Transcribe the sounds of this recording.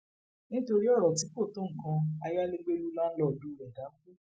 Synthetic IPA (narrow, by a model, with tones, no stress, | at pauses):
nĩ˦to˧ɾi˦ɔ˦˨ɾɔ˨t̬i˨˦ko˦˨tõ˨˦ŋ̩˨kã˧a˧ja˦le˦ɡ͡be˦lu˦mãː˦˧n̩˦lɔ˦˨du˦˨ɾɛ˨da˨˦ku˦